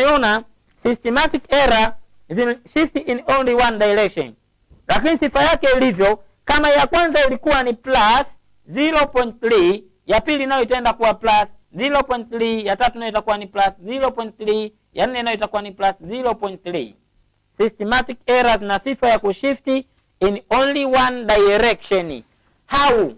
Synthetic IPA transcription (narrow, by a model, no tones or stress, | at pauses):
ɛɔna | sistɛmatikɛɾa | ziʃiftiʔinɔnliwandajɾɛkʃɔ̰n | lakinisifajakɛilivjɔ | kamaijakwanzailikuwaniplas | ziɾɔpɔjint̚θɾi | japiliːnajɔitɛndakuwaplasziɾɔpɔint̚θɾijatatuinajɔitakuwaniplasziɾɔpɔint̚θɾi | jan̩nɛinajɔitakuwaniplasziɾɔpɔint̚θɾi | sistɛmatikɛɾaznasifajakuʃifti | inɔnliwandajɾɛkʃɔn | hau